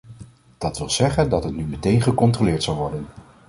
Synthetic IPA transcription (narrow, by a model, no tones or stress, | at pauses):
d̥ɑtʋɪlˠz̥ɛχəndɑtɦətnymətejnχəkɔntrolɪːɹtsɑlˠʋɔɹdən